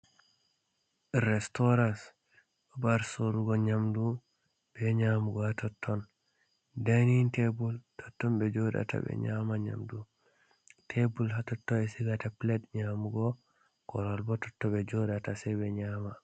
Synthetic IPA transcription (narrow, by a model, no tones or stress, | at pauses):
ɾɛstɔɾans | bɔbaɾsoɾuɡɔɲamdu | b̥ɛɲamuɡɔhatɔtʰːɔn | danintebultʰɔtːɔnbɛd͡ʒɔɗa̰tʰa̰bɛ̰ɲamaɲa̰mdu | tʰebulɦatɔtːɔɛsiɡataplɛdɲamuɡɔ | kɔɾɔlbɔtɔtːɔbɛd͡ʒɔɗatasɛbɛɲama